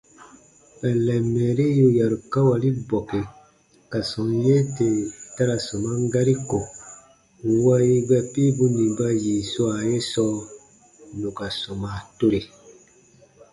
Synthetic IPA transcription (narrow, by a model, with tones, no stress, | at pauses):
ɛ˨lɛ˨mɛː˨ɾe˦ju˧ja˨ɾu˨ka˦wa˨li˦bɔ˨ke˨ | ka˨sɔ̃˨je˦te˨ta˦ɾa˨so˨mã˦ŋ˦ɡa˦ɾi˦ko˨ | wa˦ji˦bɛ˧pi˦bu˧nĩ˨ba˧jiː˨su˦a˨je˦sɔː˦ | nũ˨ka˨so˨maː˨to˦ɾe˨